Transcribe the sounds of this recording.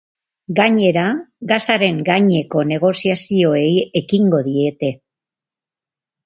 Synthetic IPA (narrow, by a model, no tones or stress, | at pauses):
ɡaɲe̞ɾaɡasaɾe̞ŋɡaɲe̞ko̞ne̞ɣ̞o̞siasio̞e̞je̞kiŋɡo̞ðie̞t̪e̞